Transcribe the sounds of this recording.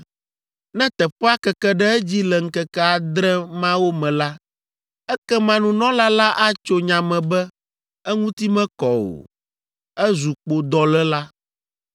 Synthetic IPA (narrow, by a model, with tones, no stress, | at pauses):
nɛ̃˦t̪ɛ˨ɸɛ˦a˦kɛ˨kɛ˦ɖɛ˦ɛ˦d͡ʑi˦lɛ˨ŋ̩˦kɛ˦kɛ˦a˨d̪ɾɛ˦mã˦wo˦mɛ̃˨la˦ | ɛ˦kɛ˦mã˦nũ˨nɔ̃˦la˦la˦ʔa˦t͡ʃo˦ɲã˨mɛ̃˨bɛ˦ | ɛ˦ŋũ˦t̪i˦mɛ̃˦kɔ˨wo̰˨ | ɛ˦zu˨k͡po˨d̪ɔ˨lɛ˦la˦